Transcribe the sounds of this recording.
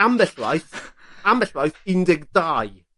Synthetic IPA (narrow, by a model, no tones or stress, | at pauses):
ambɛɬwa̰jθ | ambɛɬwajθɪndɪɡdaːj